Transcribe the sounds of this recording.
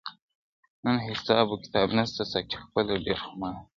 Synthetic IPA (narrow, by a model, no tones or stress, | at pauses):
nənhɪsɑːbokɪ̥t̪ɑːbnast̪asaki̥xpəleɖeɾxʊmɑ